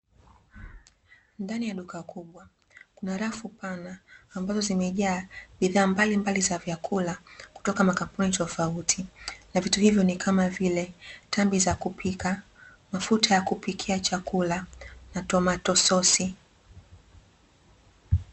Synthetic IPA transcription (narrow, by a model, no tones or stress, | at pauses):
ndanijaɗukakʰuɓwa | kunaɾafupanaːmbazɔzimɛʄaːɓiðaːmbalimbalizavjakʰulaku̥tɔkamakam̩punitɔfautʰinavituhivjɔnikʰamavilɛtambizakupika | mafutʰajakupikʰiat͡ʃakulanatɔmatɔsɔsi